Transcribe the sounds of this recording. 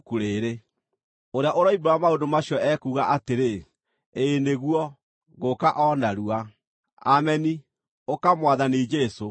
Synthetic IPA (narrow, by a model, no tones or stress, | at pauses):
kuɾeːɾe | oɾeaʔoɾɔibɾaamaodomaɕiɔʔɛkuːɣaʔateɾe | eːneɣuɔ | ɣokaʔɔnaɾua | amɛni | okamwaðanid͡ʒeso